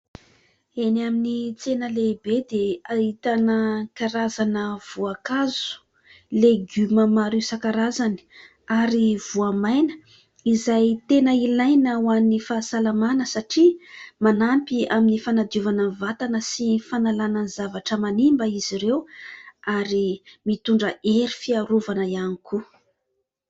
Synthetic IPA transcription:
enaminit͡senəlebed̪eait̪anəkaɾazanəv̥uakazu̥ | leɡyməmaɾisakaɾazani̥ | aɾiv̥uamajnə̥ | izajt̪enəilajnawanifasalamanəsaʈ͡ʂimanampiaminifanad̪uvanəvat̪anəsifanalanənizavaʈ͡ʂəmanimbəiziɾewaɾimit̪uɳɖ͡ʐəeɾifiaɾuvanəjaniku

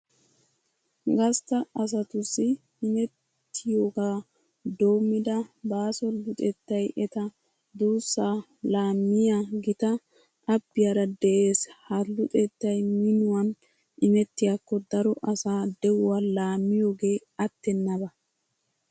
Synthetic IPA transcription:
ɡɐst̪ɐɐs̬ɐt̪ʊsːɪ | ɪmɛt̪ː | ɪjo̞ːɡaː | d̪o̞ːmːɪd̪ɐbaːsɔlʊt̪ʼɛt̪ːɐjʔɛt̪ɐ | d̪uːsːaː | laːmːɪjaɡɪt̪ɐ | ɐbːɪjaɾɐd̪ɛʔe̞ːshɐlːʊt̪ʼet̪ːɐjmɪnʊwɐn | ʔɪmɛt̪ːɪjakːɔd̪ɐɾɔʔɐsaːd̪ɛwʊwalaːmːɪjo̞ːɡe̞ː | ɐt̪ːɛnːɐbɐ

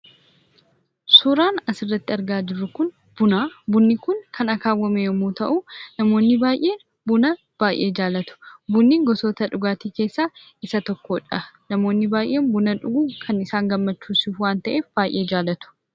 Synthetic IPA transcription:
suːɾaːnɐsɪrːɐt̪ːɪɐɾɡaːd͡ʒɪrːʊkʊn | b̥ʊnaːbʊnːɪkʊŋkʰɐnɐkaːwːɐmejɔmuːt̪ɐʔʊnɐmo̞ːnːɪbaːjʔe̞ːn | bʊnɐ | b̥aːjʔe̞ːd͡ʒaːlɐt̪ʊ̥bʊnːiːŋɡɔsoːt̪ɐᶑʊɡaːt̪iːke̞ːsːaː | ɪsɐt̪ɔkːoːᶑɐnɐmo̞ːnːɪbaːjʔe̞ːnbʊnɐᶑʊɡuːkʰɐnɪsaːŋɡɐmːɐt͡ʃːuːsufwaːnt̪ɐʔeːfb̥aːjʔe̞ːd͡ʒaːlɐt̪ʊ̥

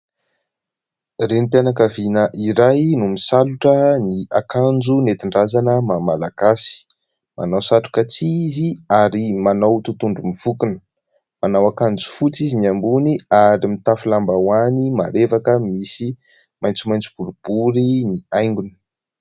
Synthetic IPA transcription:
renipjanak̬avinəʔiɾajnumisaluʈ͡ʂəniakand͡zunet̪iɳɖ͡ʐazanəmamalaɡ̥asi̥ | ma̰nawsaʈ͡ʂu̥kat͡siziaɾimanawt̪ut̪uɳɖ͡ʐumiv̥ukunə | manawakand͡zu̥fut͡siziniambuniaɾimit̪afulambawanimaɾevakəmisi | majnt͡sumajnt͡su̥b̥uɾub̥uɾiniajŋɡuni̥

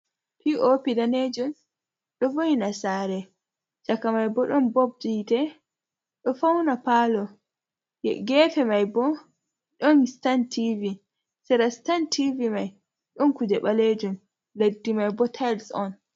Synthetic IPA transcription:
piʔopidaned͡ʒun | ɗɔvojinasaɾɛ | d͡ʒakamajbɔɗɔnbob̚ditɛ | ɗɔfawnapalɔ | jɛ̰ɡɛfɛmajbɔ | ɗɔnstantivi | sɛɾastantʰivimaj | ɗɔnkudɛɓaled͡ʒum | ledːimajbɔtʰajlsɔn

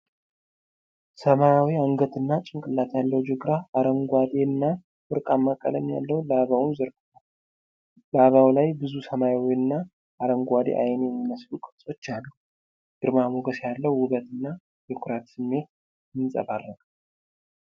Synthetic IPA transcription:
səmajawiaŋɡət̪ɨnːat͡ʃʼɪŋkʼɨlːat̪jalːəwd͡ʒɨɡɾaːɾəŋɡʷad̪eɨnːa | fɨɾkʼamːakʼə̰ləmja̰lːəwlaβawunzəɾɡɨt̪al | laβawlajbɨzusəmajawiɨnːa | ʔːɾəŋɡʷad̪ḛʔa̰jnjɛmːiməslukʼɨsʼot͡ʃːalːu | d̪̥ɨɾmamoɡəsjalːəwːʊβət̪ɨnːa | jɛkʰʊɾat̪sɨmːe̞t̪̚ | jɨnsʼə̰balːəɡ

